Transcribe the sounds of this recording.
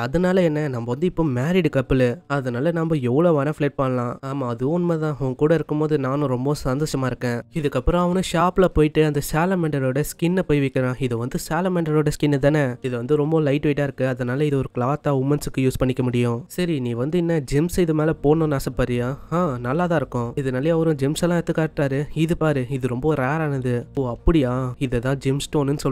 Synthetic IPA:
ɐðɐnaːlɐɛnːɐnɐmbɐʋɐnd̪ɯɪpːoːmaːɾɪɖɯkɐpːɪlɐðɐnaːlɐnɐmbɐɛʋːɐɭoːʋɐnɐfleʈ̚pɐɳːɐlãːaːmaːɐðɯʊnmɐt̪ãːɐʋɐ̃kuːɽɐɪɾɯkːɯmpoːðɯnaːnʊ̃ɾɔmbɐ̃sɐnd̪oːʂɐmaːɪɾɯkːẽːɪðɯkːɐpːɯɾɐ̃ɐʋɐnɯʃaːplɐpoːjɪʈːɯɐnd̪ɐsaːlɐmɛɳɖɐɾoːɽɐskɪnːɐpoːjʋɛkːɐɾãːɪðɯʋɐnd̪ɯsaːlɐmɛɳɖɐɾoːɽɐskɪnːɛt̪aːnːɐɪðɐʋɐnd̪ɯɾɔmbɐlɐɪʈʋɛɪʈːaːɪɾɯkːɯɐðɐnaːlɐɪðɯɔɾɯklaːt̪ːaːʋʊmɐnsɯkːɯjuːspɐɳːɪkːɐmʊɽɪjʊ̃sɐɾinĩːʋɐnd̪ɯɪnːɐd͡ʒɪmsɪðɯmeːlɛpoːnõːnaːsɐpːaːɾɪjaːãːnɐlːaːt̪ãːɪɾɯkːʊ̃ɪðɐnɐːlɪjɐʋɐɾʊ̃d͡ʒɪmsɛlːãːɛt̪ːɯkːaːɾʈːaːɾɯɪðɯpaːɾɯɪðɯɾɔmbɐɾeːɾaːnɐðɯpoːɐpːɐɽɪjãːɪðɛt̪ãːd͡ʒɪmsʈoːnnːɯsɔlː

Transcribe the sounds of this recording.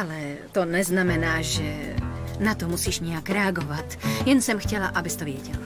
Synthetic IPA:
alɛt̪ɔnɛznamɛnaːʒɛ | nat̪ɔmusiːʒɲɛakɾɛaɡɔvat̪jɛnsɛmxcɛlaʔabɪst̪ovɪɛɟɛla

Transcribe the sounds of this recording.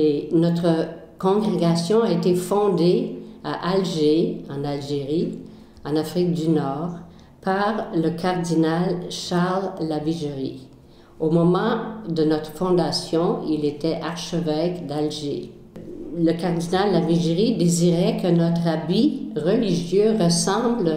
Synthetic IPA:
enɔt̪χə | kɔ̃ɡʁeɡasjɔ̃aet̪efɔ̃d̪eaʔalʒeɑ̃nalʒeʁi | ɑ̃nafʁik̚d̪ynɔːʁ | paʁləkʰaʁd̪inalʃaʁlːaviʒeʁi | omɔmɑ̃d̪ənɔt̪χə̥fɔ̃d̪asjɔ̃ilet̪ɛʔaʁʃəvɛkd̪alʒḛ | ləkaʁd̪inalːaviʒeʁid̪eziʁɛkənɔt̪ʁabiʁəliʒjøʁəsɑ̃ːbl

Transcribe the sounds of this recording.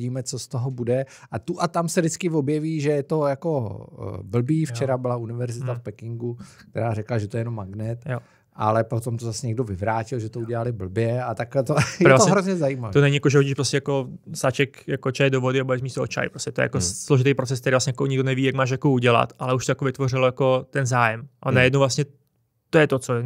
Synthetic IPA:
iːmɛt͡sost̪oɦobudɛʔat̪uʔat̪amsɛdɪt͡skɪvo̞bjɛviːʒɛjɛt̪o̞jako | bl̩biːft͡ʃɛɾabɪlaunɪvɛɾzɪt̪afpɛkɪŋɡukt̪ɛɾaːɾɛklaʒɛt̪oɛjɛnomːaɡnɛt̪jo | ʔa̰lɛpot̪omt̪ozasɛɲɛɡdo̞vɪvɾaːcɪlʒɛt̪ouɟɛlalɪbl̩bjɛat̪aklɛt̪oɛɾvlaaoɦɾozɲɛzajimavit̪onɛɲɪjakoʒɛoɟiːʃpɾoscɛjakosaːt͡ʃɛkjakot͡ʃajɛdovo̞dɪabaɛzmiːʃsɛot͡ʃa̰jpɾoscʲɛ̥t̪ojɛ̰ja̰kosloʒɪt̪ejpɾo̞t͡sɛsk̚t̪ɛɾivlasɲɛjakoɲɪɡdonɛviːjakmaːʃ̬jakouɟɛla̰t̪ʔalɛuʃt̪ojakovɪt̪ʋo̞r̝ɪlojako̞t̪ɛnzaːjɛmʔanajɛdnowvlasɲɛ | t̪ojɛt̪ot͡so

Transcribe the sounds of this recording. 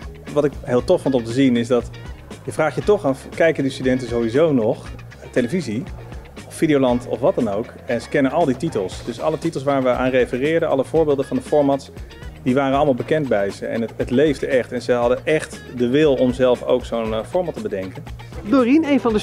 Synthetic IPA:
ʋɑtɪkɦɪːlˠtɔffɔntɔmtəzinɪzdɑt | jəvraːχjətɔχɑfkɛjkəndistydɛntənzowizownɔχ | tejləviziɔfːidijowlɑntʰɔ̰fʋɑtdɑnowk | ɛnzə̥kɛnənɑlˠdititəlˠsd̥ɵsɑ̰lˠətitəlˠs̬ʋaːɹʋəʔa̰ːnrejfərɪːɹdənɑ̰lˠəv̥ʊːɹbɪːlˠdəvɑndəfɔɹmɑts | diʋaːrənɑlˠəmalˠbəkɛndbɛjzəɛ̰nɦətlejvdəʔɛχtɛnzəɦɑdəʔɛχtdəʋɪlˠɔmzɛlˠfo̰wksownfɔɹmɑtəbədɛŋkən | doːrinejnvɑndə

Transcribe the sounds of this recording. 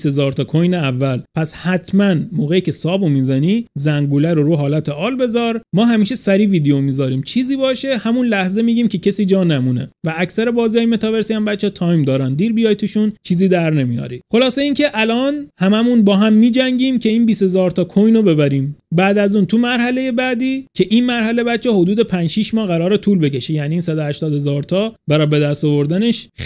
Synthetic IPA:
se̞zɒːɾt̪ʰɒːkʰojneævːælpʰæshæt̪ʰmænmoːɣejiːcʰe̞sɒːbomiːzæniːzæŋɡuːlæɾoɾuɦɒːlæt̪ʰeʔɒːlbe̞zɒːɾmɒːɦæmiːʃesæɾiːviːd̪eomiːzɒːɾiːmt͡ʃʰiːziːbɒːʃe̞hæmunlæhze̞miːɟiːmcʰe̞cʰesiːd͡ʒɒːnæmune̞̰væːcsæɾebɒːziːjɒːjime̞t̪ɒve̞ɾsiæmbæt̪t͡ʃːɛt̪ʰɒːjmd̪ɒːɾænd̪iːɾbijɒːjt̪ʰuːʃunt͡ʃʰiːziːd̪æɾnemijɒ̰ːɾḭxo̞lɒːse̞iːncʰe̞ʔælɒːnhæmæmunbɒːɦæmːiːd͡ʒæŋɟiːmcʰe̞iːnbiːshe̞zɒːɾt̪ʰɒːkʰojnobe̞bæɾiːmbæːd̪æzuːnt̪ʰumæɾɦæle̞je̞bæːd̪iːcʰe̞ʔiːnmæɾhæle̞bæt̪t͡ʃʰːeho̞d̪uːd̪e̞pʰænd͡ʒʃiːʃmɒːhɣæɾɒːɾet̪ʰuːlbe̞cʰe̞ʃejæniːnsæd̪ohæʃt̪ɒːd̪he̞zɒːɾt̪ʰɒːbæɾɒːjbe̞d̪æst̪ovo̞ɾd̪æne̞ʃ

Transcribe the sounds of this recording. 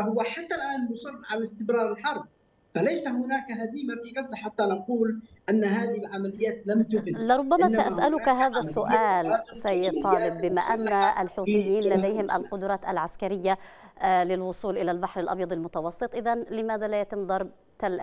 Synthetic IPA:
hʊwaħat̪ːalʔaːnmʊsɑrˤːʕalɪst̪ɪmɾɑːɾˤɪlħɑɾˤb̚ | falajsahʊnaːkɦaziːmafinadzaħat̪ːanɑquːlʔanːaɦaːðɪhɪlʕamalɪjːaːt̪lamt̪ʊfɪlɪɾˤʊbːamasaʔasʔalʊkɦaːðasːʊʔaːlsajːɪd̪̚t̪ˤːɑːlɪbːɪma̰ʔanːaʔa̰lħuːt̪ˤɨjːiːnlad̪ajhɪmʔa̰lqʊd̪ʊɾˤɑːt̪a̰lʕaskaɾɪjːa | lɪlwʊsˤuːlʔɪlalbaħɾɪlʔɑ̰bjɑd̪ˤɑlmʊt̪ɑwɑsˤːɨt̪ˤʔɪðanlɪmaːðalajat̪ɪmd̪ˤɑɾˤb̚ | t̪al

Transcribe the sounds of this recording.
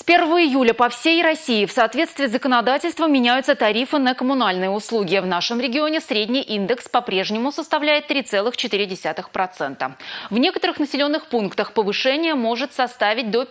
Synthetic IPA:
spʲe̞rvəvəɪjulʲəpɐfsʲejrɐsʲiɪfsɐaːt̪vʲe̞t̪st̪vʲɪːzəkənɐd̪atʲɪlʲst̪vəmʲɪnʲæjʊt̪sət̪ɐɾʲifɨnəkəmʊnalʲnɨjəʊslˠuɡʲɪvnaʂɨmɾʲɪɡʲɪo̞nʲɪsɾʲedʲnʲijʔind̪ɨkspɐpɾʲe̞ʐnʲɪmʊsəst̪ɐvlʲæjɪt̪ːɾʲit̪sɛlˠɨxt͡ɕɪt̪ɨɾʲɪdʲɪsʲat̪ɨxpɾɐt̪sɛnt̪ə̰vnʲe̞kət̪əɾɨxnəsʲɪlʲo̞nːɨxpunkt̪əxpəvɨʂɛnʲɪjəmo̞ʐɨt̪sɐst̪avʲɪt̚ʲd̪o

